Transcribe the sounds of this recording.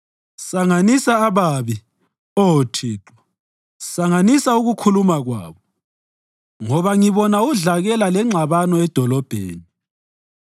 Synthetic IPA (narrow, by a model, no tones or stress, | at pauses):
saŋanisaːβaːβi | otʰiːǁɔ̥ | saŋanisauɣukʰulumaɣwa̰ːβɔ | ŋɔβaŋiβɔnauɮaɣɛlalɛŋ͡ǁʱaβanɔɛd̥ʱɔlɔb̥ʱḛːni